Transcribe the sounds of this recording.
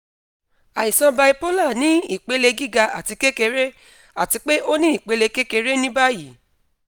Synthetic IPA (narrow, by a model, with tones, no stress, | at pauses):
a˨i˨sã˧ba˧i˧po˦la˦˨nĩ˨˦i˦˨k͡pe˨˦le˧ɡi˦ɡa˧a̰˨ti˧ke˦ke˧ɾe˦ | a˦˨ti˧k͡pe˦ʔo˦nĩ˦i˦˨k͡pe˨˦le˧ke˦ke˧ɾe˦nĩ˦ba˦ji˨˦